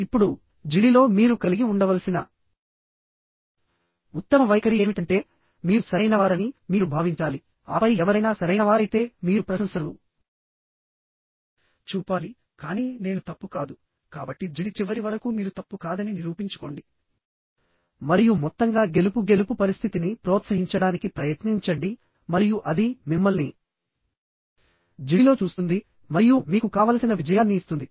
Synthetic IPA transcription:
ipːuɽu | d͡ʒiɽilo̞ːmiːɾukɐliɡiuɳɖɐʋɐlɐsinɐ | ut̪ːɐmɐʋɐjkɐɾijeːmiʈɐɳʈe̞ː | miːɾusɐɾɐjnɐʋaːɾɐnimiːɾubʱaːʋiɲt͡ʃaːli | ɐːpɐjɛʋɐɾɐjnaːsɐɾɐjnɐʋaːɾɐjt̪e̞ːmiːɾupɾɐsɐmsɐɾu | t͡ʃuːpaːli | kaːniːne̞ːnut̪ɐpːukaːd̪u | kaːbɐʈːid͡ʒiɽit͡ʃiʋɐɾiʋɐɾɐkumiːɾut̪ɐpːukaːd̪ɐniniɾuːpiɲt͡ʃu̥ko̞ːɳɖi | mɐɾijumɔt̪ːɐŋɡaːɡe̞lupuɡe̞lupupɐɾist̪ʰit̪inipɾoːt̪sɐɦiɲt͡ʃɐɽaːnikipɾɐjɐt̪niɲt͡ʃɐɳɖi | mɐɾijuʔɐd̪imimːɐlni | d͡ʒiɽilo̞ːt͡ʃuːst̪und̪i | mɐɾijumiːkukaːʋaːlɐsinɐʋid͡ʒɐjaːnːiːst̪und̪i

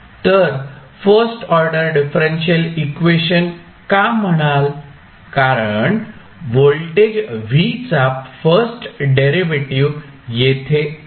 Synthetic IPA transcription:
t̪əɾfəɾsʈɔɾɖəɾɖifɾẽnɕəlikʋeɕən | kam̤əɽ̃al | kaɾəɳ | ʋolʈed͡ʑʋit͡sapfəɾsʈɖeɾiʋeʈiʋ | jet̪ʰe

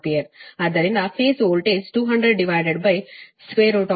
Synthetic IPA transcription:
pijəɾɐd̪ɐɾinɐfeːsoːlʈeːsʈuːɦɐ̃ɳɖɾeɖɖiʋaɪɖeɖ̚bɐjsʋeːɾoːʈɔ

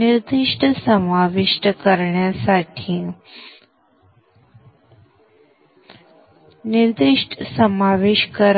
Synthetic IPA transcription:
niɾd̪iʂʈʰəsəmaʋiʂʈəkəɾɳjasaʈʰi | niɾd̪iʂʈʰsəmaʋeʃkəɾ

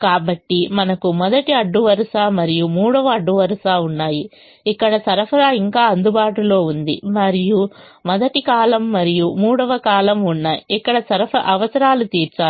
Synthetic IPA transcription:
kaːbɐʈːimɐnɐkumɔd̪ɐʈiɐɖːuʋɐɾɐʂaːmɐɾijumuːɽɐʋɐːɖːuʋɐɾɐʂaːunːaːji | ikːɐɽɐsɐɾɐpʰɐɾaːiŋkaːɐnd̪ubaːʈulo̞ːund̪ḭmɐɾijumɔd̪ɐʈikaːlɐmːɐɾijumuːɽɐʋɐkaːlɐmunːɐikːɐɽɐsɐɾɐpʰɐʔɐʋɐsɐɾaːlut̪iːɾt͡ʃaː

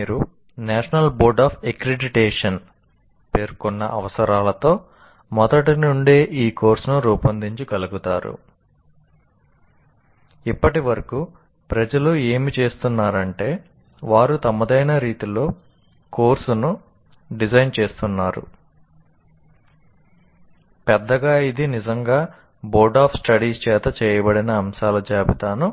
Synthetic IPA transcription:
iːɾu | naːʂɐnɐlbo̞ːɾɖaːpʰekɾeɖiʈeːʂɐn | pe̞ːɾkɔnːɐ̰ʔɐ̰ʋɐsɐɾaːlɐt̪o̞ː | mɔd̪ɐʈinuɳɖe̞ːʔiːko̞ːɾsunuɾuːpɐnd̪iɲt͡ʃikɐluɡut̪aːɾṵ | ipːɐʈiʋɐɾɐku | pɾɐd͡ʒɐlue̞ːmit͡ʃe̞ːst̪unːaːɾɐɳʈe̞ː | ʋaːɾut̪ɐmːɐd̪ɐjnɐɾiːt̪ulo̞ː | ko̞ːɾsunu | ɖid͡ʒɐjnt͡ʃe̞ːst̪unːaːɾṵ | pɛd̪ːɐɡaːid̪inid͡ʒɐŋɡaː | boːɾɖaːpsʈɐɽiːst͡ʃɛːt̪ɐt͡ʃɛːjɐbɐɽinɐːmʃaːlɐd͡ʒaːbit̪aːnu

